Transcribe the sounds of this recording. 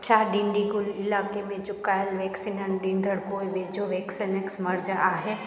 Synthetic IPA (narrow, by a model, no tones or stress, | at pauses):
t͡ʃʰaːɖĩɳɖiɡʊlɪlaːkemẽt͡ʃʊkaːjəlʋɛːksinənɖĩnɖ̪ʱəɽkoːiʋeːd͡ʒoʋeːksineksmɐɾd͡ʒaːɦe